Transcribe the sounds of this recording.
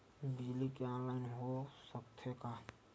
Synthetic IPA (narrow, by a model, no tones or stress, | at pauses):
bɪd͡ʒlikeɔ̃ːnlaːɪnɦosəkt̪ʰəka